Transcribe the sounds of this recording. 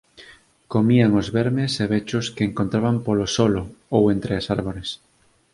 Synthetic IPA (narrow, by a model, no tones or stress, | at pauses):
komiaŋozβɛɾmeseβ̞et͡ʃʊskeːŋkont̪ɾaβampolosoloowent̪ɾeasaɾβoɾes